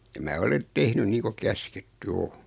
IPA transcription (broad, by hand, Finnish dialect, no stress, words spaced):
jɑ mæː olen tehny niː ko kæsketːy o